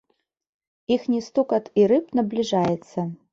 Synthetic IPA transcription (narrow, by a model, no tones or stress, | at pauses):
ixnʲist̪ukʼatʰʼirɨpʰnablʲiʐajɛt͡sʰɐ